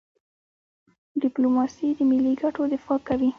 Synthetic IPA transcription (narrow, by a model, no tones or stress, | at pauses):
ɖɪplomɑsid̪əmɪlːiɡaʈod̪ɪfɑkawi